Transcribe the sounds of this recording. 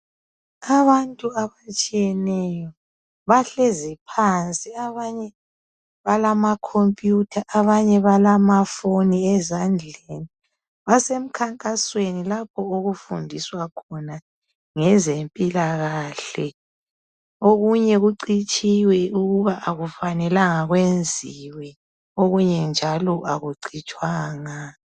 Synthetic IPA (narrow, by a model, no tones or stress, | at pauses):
aβantʼuaβat͡ʃʼijɛnɛjɔ | βaɬezipʰant͡sʼiaβaɲɛ | βalamakʰompʼjutʰaʔaβaɲɛβalamafoniɛzand͡ɮʱeni | βasem̩kʰaŋkʼaswenilap̚ʰɔoɣufundʱiswakʰɔna | ŋɛzempʼilaɣaːɬɛ | oɣuɲɛɣuǀit͡ʃʼiwɛʔuɣuβaʔaɣufanɛlaŋaɣwend͡zʱiwɛ | oɣuɲɛnd͡ʒʱalɔʔaɣuǀʰit͡ʃʼwaːŋa